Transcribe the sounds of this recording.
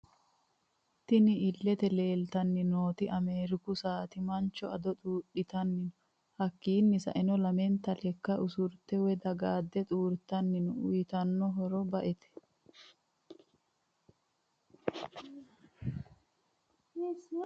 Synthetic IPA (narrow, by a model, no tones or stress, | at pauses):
t̪ɪnɪɪlːɛt̪ɛle̞ːlt̪ɐnːɪnoːt̪ɪʔɐme̞ːɾɪkʊsaːt̪ɪmɐnt͡ʃːɔɐd̪ɔt̪ʼuːɗɪt̪ɐnːɪnʊ | hɐkːiːnːɪsɐ̰ʔɛnɔlɐmɛnt̪ɐlɛkːɐʔʊsʊɾt̪ɛwɛd̪ɐɡaːd̪ːɛt̪ʼuːɾt̪ɐnːɪnʊʊjt̪ɐnːɔɦɔɾɔbɐʔɛt̪ɛ̥